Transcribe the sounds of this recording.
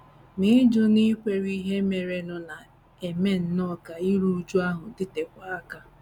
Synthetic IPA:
ni˦d͡ʒʊ˦ni˦kʷe˨ɾi˦ɦe˦me˨ɾe˨nʊ˨na˨ | e˨me˦n̩˦nɔ˦ka˨i˦ɾu˦d͡ʒu˦a˦ɦʊ˨dɪ˦te˨kʷa˦a˦ka˦

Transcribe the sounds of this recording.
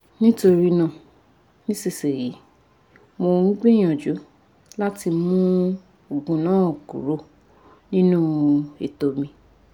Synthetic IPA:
nĩ˦to˧ɾi˧nã˦˨ | nĩ˦se˦˨se˨ji˨˦ | mo˧ŋ̩̃˦ɡ͡bĩ˦j̃ã˨d͡ʒu˨˦ | la˦ti˧mũ˦ | o˨ɡũ˨nãː˨˦˨ɡṵ˨ɾo˦ | nĩ˦nũ˦ḛ˨to˨mĩ˧

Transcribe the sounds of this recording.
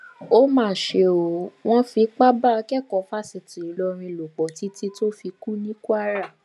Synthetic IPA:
o˦mãː˦˨ʃe˧o˨w̃ɔ̃˦fi˧˦k͡pa˦ba˦˨˧kɛ˦˨kɔ˨˦fa˦˨si˧˨ti˨i˨˦lɔ˧ɾ̃ĩ˧lo˨k͡pɔ˨ti˦ti˦to˦fi˧ku˦nĩ˦ku˦a˦ɾa˦˨

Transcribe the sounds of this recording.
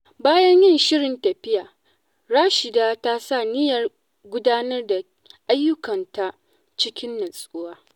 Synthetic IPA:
baː˦jɐ˦ɲjɪ˦˨nʃɪ˦ɽɪ˨ntɐ˨ɸɪ˦jaː˨ | ɽaː˦ʃɪ˨daː˦ta˦sa˦˨nɪ˦jɐ˨r | ɡʷʊ˦daː˦nɐ˦rda˨ | ʔa˦jːʊ˦kɐ˨nta˦ | t͡ʃɪ˦kʲɪ˦nːɐ˨sʼʊ˦waː˦

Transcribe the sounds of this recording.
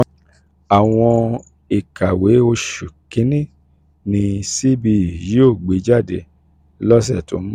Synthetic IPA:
a˨w̃ɔ̃˧ | i˨ka˨we˨˦o˧ʃu˨kĩ˨˦nĩ˦˨ | nĩ˧si˦bi˧i˨ji˨˦o˦˨ɡ͡be˨˦d͡ʒa˦˨de˧˦ | lɔ˦s̬ɛ˦˨to̰˨˦

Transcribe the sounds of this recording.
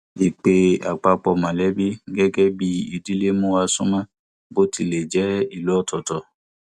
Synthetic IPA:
i˨k͡pe˧a˨k͡pa˧k͡pɔ˧mã˨lɛ˨˦bi˦ɡɛ˦ɡɛ˦bi˦i˨di˨˦le˦mũ˦a˧sũ˦mã˦ | bo˦ti˧˨le˨d͡ʒɛ˨˦i˦˨lu˨˦ɔ˦˨tɔ˨tɔ˧˨

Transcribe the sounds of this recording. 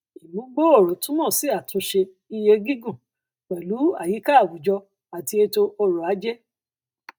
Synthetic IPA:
i˨mũ˨˦ɡ͡bo˦o˦˨ɾo˨tũ˦nɔ̃˦˨si˨˦a˨tʰũ˧˦ʃe˧ | i˧je˧ɡĩ˦ɡũ˦˨ | k͡pɛ˨lu˨˦a˦˨ji˨˦ka˦˨wu˨˦d͡ʒɔ˧ | a˨ti˧e˧to˧o˧ɾo˨a˨˦d͡ʒɛ˦

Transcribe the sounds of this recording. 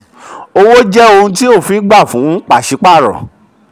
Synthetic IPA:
o˧wo˦d͡ʒɛ˦o˧hũ˧t̬i˦o˦˨fi˨˦ɡ͡ba˦˨fũ˨˦ũ˦k͡pa˦˨ʃi˨˧˦k͡pa˦˨ɾɔ̰˨

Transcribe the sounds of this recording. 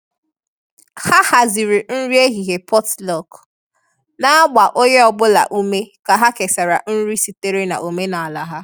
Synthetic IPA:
ha˦ha˨zi˨ɾi˨n̩˦ɾi˦e˦ɦi˨ɦe˨pʰɔ˦tlɔ˨k | na˦a˦ɡ͡ba˨ʔo˦ɲe˦ɔ˨bʊ˦la̰˨ʔu˦me˦ka˨ɦa˦ke˨sa˨ɾa˨n̩˦ɾi˦si˨te˦ɾe˦na̰˨ʔo˨me˦na˨a˨la˨ɦa˦

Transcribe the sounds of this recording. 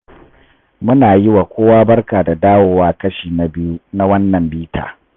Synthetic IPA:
mʊ˦naː˨jɪ˦wa˨kʷoː˦waː˦bɐ˦rkaː˨da˨daː˦woː˨waː˦kɐ˦ʃiː˨na˨bɪ˦ju˦na˦wɐ˦nːɐ˨mbiː˦tʰa̰ː˨

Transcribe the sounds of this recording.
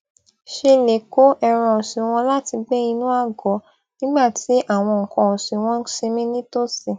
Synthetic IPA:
ʃe˧le˨ko˨˦ʔɛ˧ɾ̃ã˧˨si˨w̃ɔ̃˧la˦ti˧ɡ͡bɛ˦i˧nũ˦a˦˨ɡɔ˨˦ | nĩ˦ɡ͡ba˦˨tʰi˨˦ʔa˦˨w̃ɔ̃˧ŋ̩˨kɔ̃˧o˨si˨w̃ɔ̃˦ʃe˧mĩ˦nĩ˦to˦˨si˨

